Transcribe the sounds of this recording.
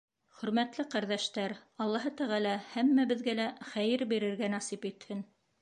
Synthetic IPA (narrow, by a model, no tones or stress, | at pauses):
χɵ̆ɾmæt̪lɘqɑɾðæʃt̪æɾɑlˠːɑɦɤt̪æʁælæhæmːæbɘ̆ðɡælæχæjɘɾbiɾɘ̆ɾɡænɑsipit̪hɘn